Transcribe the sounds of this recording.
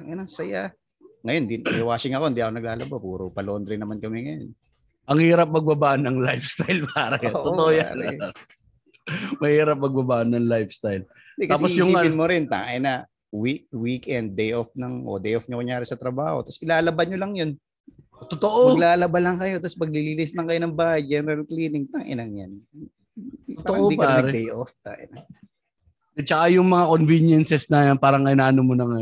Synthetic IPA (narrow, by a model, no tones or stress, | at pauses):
ɐŋɐnɐŋsɐja | ŋɐjond̪injɐwaːsɪŋɐko̞ɪnd̪iʔɐko̞nɐɡlaːlɐbapuːɾopɐloʔond̪ɾɛnɐmankɐmɛŋɐjo̰n | ʔɐŋhiːɾɐp̚mɐɡ̚bɐbaʔnɐŋlajfst̪ajlpaːɾɐjaʔt̪ooʔoja̰ːɾɛ | mɐhiːɾɐp̚mɐɡ̚bɐbaːʔnɐŋlajfst̪ajl | nd̪ɛk̪ɐaːpojʊŋːɪnmoɾɪnt̪a̰ːŋʔɛnɐ | wikwikɛnd̪̚ːɛjʔofnɐŋʔo̰d̪ejʔofɲɐkoŋjaːɾɛsɐt̪ɾɐba̰ːho̰t̪ɐsɪlaːlɐbɐnɲolɐŋjo̞n | ot̪ot̪oʔomɐɡlaːlɐbalɐŋkɐjo̞t̪ɐspɐɡ̚liliːlislɐŋkɐjonɐŋbaːhɐjd͡ʒɛːnɛɾɐlkliːnɪŋt̪aŋʔɪ̰nɐŋjan | oaoʔod̪ikpɐaːɾɛd̪ɛjʔoft̪a̰ːʔɪ̰nɐ | ɛt͡ʃɐkajʊŋmɐŋakonvinjɛnsɛsnɐjanpaːɾɐŋɐɪnaːʔɐnomonɐŋɐ